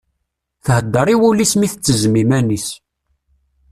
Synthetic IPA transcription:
θhəd̪ːəɾˤiwulismiθət͡sːəzmimænis

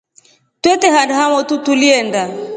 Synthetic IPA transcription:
twɛtɛɦandaɦamɔtutuliɛnda

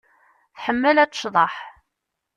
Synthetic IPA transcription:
θħəmːəlæt͡sːə̥ʃðˤɑħ

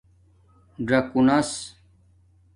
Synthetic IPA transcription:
ɖɾɐkunɐs

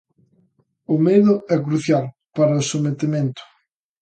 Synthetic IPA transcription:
ʊmeðʊɛk̬ɾuθjal | paɾɐʊsomet̪emẽnt̪ʊ̥

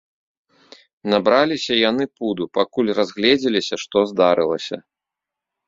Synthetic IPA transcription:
nabɾalʲisʲɐjanɨpud̪upakulʲrazɣlʲɛd͡zʲɛlʲisʲɐʂt̪ɔzd̪aɾɨlˠɐ̰sʲɐ̰

